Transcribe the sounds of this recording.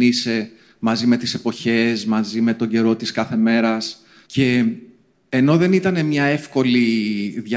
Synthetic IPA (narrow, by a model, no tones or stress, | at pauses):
ise̞ | mɐzime̞t̪ise̞po̞çe̞smɐzime̞t̪o̞ɲɟe̞ɾo̞t̪iskɐθe̞me̞ɾɐs | ce̞ː | no̞ðe̞nit̪ɐne̞mɲɐe̞fko̞liðʝɐ